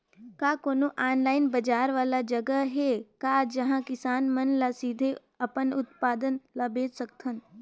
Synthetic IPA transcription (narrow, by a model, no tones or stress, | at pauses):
kaːkoːnoʔaːnlaːɪnbɐd͡ʒaːɾʋaːlad͡ʒɐɡəɦekaːd͡ʒɐɦãkɪsaːnmənlasiːd̪ʱe | ɐpənʊt̪paːd̪ənlabeːt͡ʃsəkt̪ʰən